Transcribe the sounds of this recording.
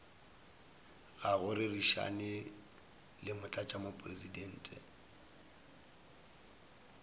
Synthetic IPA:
ɣaɣʊɾɪriʃa̰nɪ | lɪmʊt͡ɬʼat͡ʃʼamopʼrezidɛn̩ːtʼɛ̰

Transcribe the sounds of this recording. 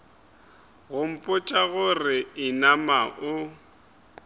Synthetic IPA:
ɣʊm̩pʼʊt͡ʃʼaɣʊrɪɪnamaʔʊ

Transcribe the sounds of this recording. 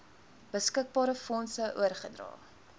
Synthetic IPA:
b̥əskək̚bɑːɾəfɔnsəʔuərχədrɑ̰ː

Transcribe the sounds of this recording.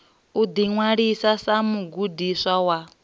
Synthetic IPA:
ud̪iŋwaɺisasamuɡudisawa

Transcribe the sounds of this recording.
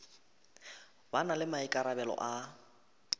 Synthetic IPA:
banalɪmaikʼaɾabɛlɔ̰ʔa

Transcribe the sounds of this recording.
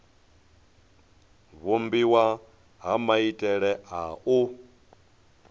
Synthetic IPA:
βumbiwa | ɦamaitʼɛɺɛʔau

